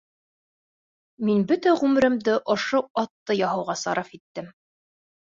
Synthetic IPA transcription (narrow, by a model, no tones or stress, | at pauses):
minbɵt̪æʁʉmɘ̆ɾɘ̆md̪ɘʔŏʃoɑt̪ːɤjɑɦɤ̆wʁɑsɑ̰ɾʔɑfit̪ːɘm